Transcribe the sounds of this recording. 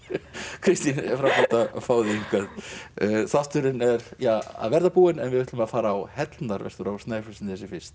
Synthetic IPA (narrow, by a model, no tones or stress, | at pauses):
kʰɾɪst̪infɾawpat̪afaːwðɪiŋkœð | θat̪ʏɾɪnɛɾjaːa̰ðvɛɾðapuːɪnɛnvɪðɪht̪ʏmaðfaːɾaːwhɛt̪lnaɾvɛ̰st̪ʏɾawst̪naːjfʏsnθɛsɪfɪr̥t̪